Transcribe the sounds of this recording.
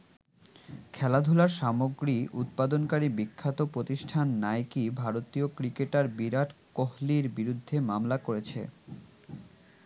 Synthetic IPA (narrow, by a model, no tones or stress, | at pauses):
kʰɛlad̪ʱulaɾʃamoɡɾiʔut̪̚pad̪onkaɾibikʰːat̪opɾot̪iʃʈʰanːajkibʱaɾot̪iokɾikeʈaɾbiɾaʈkohliɾbiɾud̪ʱːemamlakoɾet͡ɕʰḛ